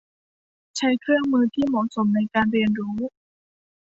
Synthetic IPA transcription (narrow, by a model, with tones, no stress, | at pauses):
t͡ɕʰa˦˥jkʰɾɯ˥˩əŋmɯː˧t̪ʰiː˥˩mɔː˩˦ʔso˩˦mna˧jkaː˧nɾi˧ənɾuː˦˥